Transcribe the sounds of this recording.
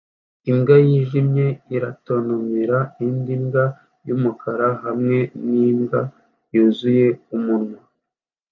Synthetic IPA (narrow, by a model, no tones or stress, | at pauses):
imɡajiːʒimɲe̞iɾatonumiɾaindimɡa | jumukʰaɾaɦamŋe̞nimɡa | juzuje̞umunŋa